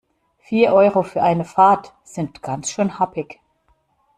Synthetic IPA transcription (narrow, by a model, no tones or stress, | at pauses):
fiːɐʔɔʏʁofyːɐʔaɪnəfaɐt | z̥ɪntɡ̥ant͡sʃøːnhapɪç